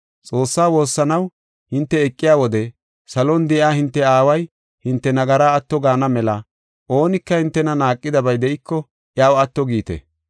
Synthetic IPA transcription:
t͡sʼo̞ːsːaːwo̞ːsːɐnɐw | hɪnt̪ːɛːkʼːɪjaːwɔd̪ɛ | sɐlɔnd̪ɛʔaːhɪnt̪ːɛaːwɐj | hɪnt̪ːɛnɐɡɐɾaːt̪ːɔɡaːnɐmɛlɐ | ʔo̞ːnɪkːɐhɪnt̪ːɛnɐnaːkʼːɪd̪ɐbɐjd̪ɛʔɪkʰːɔ | ʔjaːwɐt̪ːɔɡiːt̪ɛ̰

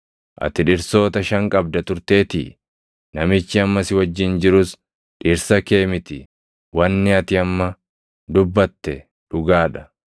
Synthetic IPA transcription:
ʔɐ̰t̪ɪᶑɪɾso̞ːt̪ɐʃɐŋkʼɐb̚d̪ɐt̪ʊɾt̪e̞ːt̪ɪ̰ | nɐmɪt͡ʃːɪɐmːɐsɪwɐd͡ʒːɪnd͡ʒɪɾʊs | ᶑɪɾsɐke̞ːmɪt̪ɪ̰ | wɐnːɪɐt̪ɪɐmːɐ | d̪ʊbːɐt̪ːɛ | ᶑʊɡaːᶑɐ̥

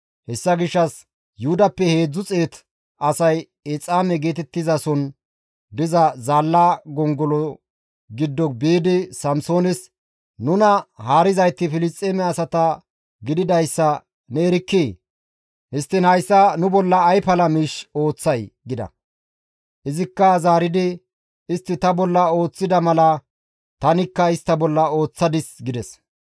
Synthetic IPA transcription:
hɛsːɐɡɪʃːɐs | jʊhʊd̪ɐpːɛhe̞ːd͡zːʊt͡sʼe̞ːt̪ | ɐsɐj | et͡sʼaːmɛɡe̞ːt̪ɛt̪ːɪzɐsɔn | d̪ɪzɐzaːlːaːɡɔŋɡɔlɔ | ɡɪd̪ːɔbeːd̪ɪsɐmso̞ːnɛs | nʊnɐhaːɾɪzɐjt̪ːɪfɪlɪst̪ʼːeːmɛɐsɐt̪ɐ | ɡɪd̪ɪd̪ɐjsːɐ | neːɾɪkːiː | hɪst̪ːɪnhɐjsːɐnʊbɔlːɐːjpɐlɐmiːʃo̞ːt͡sːɐjɡɪd̪ɐ̰ | ʔɪzɪkːɐzaːɾɪd̪ɪ | ɪst̪ːɪt̪ɐbɔlːɐo̞ːt͡sːɪd̪ɐmɐlɐ | t̪ɐnɪkːɐɪst̪ːɐbɔlːɐo̞ːt͡sːɐd̪ɪsɡɪd̪ɛs

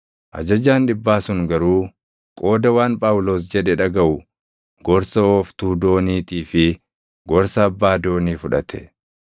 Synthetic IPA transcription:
ʔɐ̰d͡ʒɐd͡ʒaːnᶑɪbːaːsʊŋɡɐɾuː | kʼo̞ːd̪ɐwaːnpʼaːwʊlo̞ːs̬d͡ʒɛᶑɛᶑɐɡɐʔʊ | ɡ̥ɔɾsɐoːft̪uːd̪o̞ːniːt̪iːfɪ | ɡɔɾsɐːbːaːd̪o̞ːniːfʊᶑɐ̰t̪ʰɛ̥

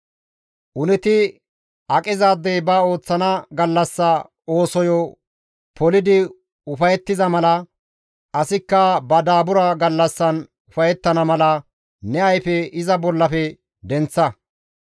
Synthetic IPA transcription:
ʔʊnɛt̪ɪ | ɐkʼɪzaːd̪ːejbɐo̞ːt͡sːɐnɐɡɐlːɐsːɐ | oːsɔjɔ | pʰɔlɪd̪ɪ | ʊfɐjɛt̪ːɪzɐmɐlɐ | ʔɐsɪkːɐbɐd̪aːbʊɾɐɡɐlːɐsːɐn | ʊfɐjɛt̪ːɐnɐmɐlɐ | nɛɐjfɛɪzɐbɔlːɐfɛ | d̪ɛnt͡sːɐ

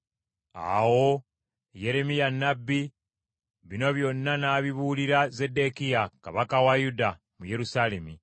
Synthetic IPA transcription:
a̰wo̞ | je̞ɾe̞mijanːabːi | βino̞βjo̞nːanaːβiβuliɾaze̞de̞kijaka̰βakawajuda | muje̞ɾusale̞mi

